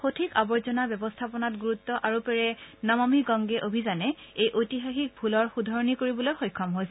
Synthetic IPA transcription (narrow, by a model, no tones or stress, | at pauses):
xotʰikabɔɹzɔnabɛbɔstʰapɔnatɡuɹutːɔʔaɹupɛɹɛnamamiɡɔŋɡɛʔobʱizanɛ | ejʔojtiɦaxik̚bʱulɔɹxudʱɔɹnikoɹibɔlojxojkʰːɔmɦojs